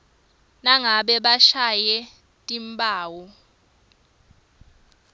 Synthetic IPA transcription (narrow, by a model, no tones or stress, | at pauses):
naŋaɓɛɓaʃajɛ | tʼimpʼaːwɔ